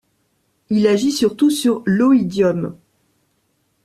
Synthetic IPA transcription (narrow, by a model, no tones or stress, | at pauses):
ilaʒisyʁt̪usyʁloid̪jɔm